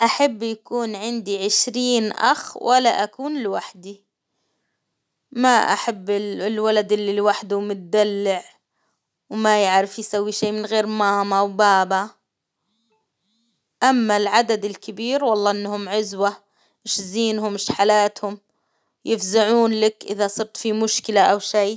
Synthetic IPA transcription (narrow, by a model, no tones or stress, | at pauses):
ʔaħabːjakuːnʕɪnd̪iʕɪʃɾiːnʔa̰xwʔalaʔakuːnlɪwaħd̪i | maʔa̰ħabːɪlwalad̪ʔɪlːilwaħd̪ʊmʊt̪̚d̪alːɪʕ | wmajɪʕɾɪfjsawːiʃeːmɪnɣeːɾmaːmawbaːba | ʔamːalʕad̪ad̪ɪlkɪbiːɾwɑlˤːɑːʔɪnːhʊmʕʊzwa | ʔɪʃziːnhʊmɪʃħalaːt̪hʊm | jɪfzaʕuːnlakʔɪðasˤɨɾt̪fimʊʃkɪlaʔawʃiː